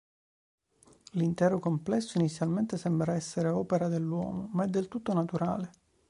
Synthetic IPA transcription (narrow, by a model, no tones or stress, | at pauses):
lint̪ɛːɾokomplɛsːoinit̪sːjalment̪esɛmbɾaɛsːeɾeɔːpeɾad̪elːwɔ̰ːmomaɛd̪ːelt̪ut̪ːonat̪uɾa̰ːle